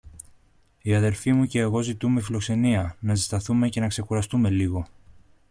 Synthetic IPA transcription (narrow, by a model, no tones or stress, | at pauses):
iɐðe̞lfimuce̞ːɣo̞zit̪ume̞filo̞kse̞niɐnɐsist̪ɐθume̞ce̞nɐkse̞xuɾɐst̪ume̞liɣo̞